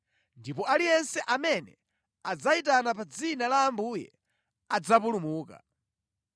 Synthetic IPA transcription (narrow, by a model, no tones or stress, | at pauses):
ndipɔalijɛnsɛʔamɛnɛ̰ | ad͡zaitanapad͡zinalaːmbujɛ̰ | ad͡zapulumuːka̰